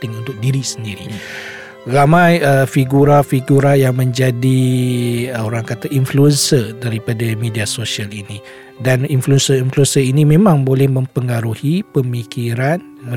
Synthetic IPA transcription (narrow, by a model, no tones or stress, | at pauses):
t̪ɪŋunt̪ʊk̚diɾisəndiɾi | ramãjəfiɡuɾafiɡuɾajaŋmə̃ɲd͡ʒadi | oɾaŋkat̪aʔinfluənsədaɾipadamediasosialinĩ | daninfluənsəinfluənsəinĩmẽmãŋbolɛhmə̃mpəŋaɾuhipəmikiɾan